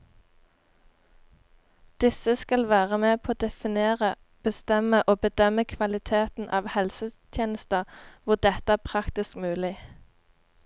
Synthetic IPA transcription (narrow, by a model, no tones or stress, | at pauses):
d̪̥ɪsəskɑlʋæːʁəmeːpʰoːoːd̪ɛfɪneːʁə | b̥əst̪ɛməʔoːbəd̪œməkʰʋɑlɪt̪ʰeːt̪n̩ʔɑ̰ːʋhɛlsət̪ʰjeːnəst̪əʋʊʁd̪ɛt̪əæːʁpʰʁɑkt̪ɪskmʉːlɪ